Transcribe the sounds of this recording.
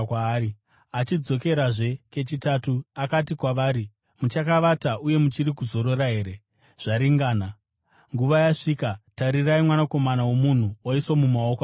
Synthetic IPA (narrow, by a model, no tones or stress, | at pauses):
ai | at͡ʃid͡zo̞ke̞ɾaʐe̞ke̞t͡ʃitatuakatikwaʋaːɾi | mut͡ʃakaʋataʔuje̞mut͡ʃiɾikuzo̞ɾo̞ɾaɦe̞ːɾe̞ | ʐ̥aɾiŋɡaːna | ŋɡuʋajaʂiːkataɾiraimwanako̞manawo̞mun̤uoisomumao̞koa